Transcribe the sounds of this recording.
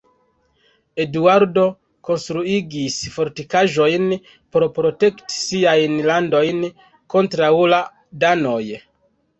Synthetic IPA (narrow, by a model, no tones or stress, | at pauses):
e̞duaɾdo̞ | ko̞nstɾuiɡisfo̞ɾtikaʒo̞jn | poɾpɾo̞te̞kti̥siajnlando̞jn | ko̞ntɾaula | dano̞j